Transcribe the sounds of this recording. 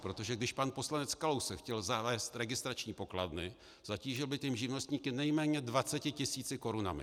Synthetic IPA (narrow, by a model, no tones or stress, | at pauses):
pɾo̞t̪o̞ʒɛɡdɪʃpanpo̞slanɛt͡skalowsɛxcɛlzavɛːst̪ɾɛɡɪst̪ɾat͡ʃɲiːpo̞kladnɪ | z̥aciːʒɪlbɪt̪ɛmʒɪvno̞st̪ɲiːkɪnɛjmɛːɲɛdvat͡sɛcɪcɪsiːt͡sɪko̞ɾuna̰mɪ̰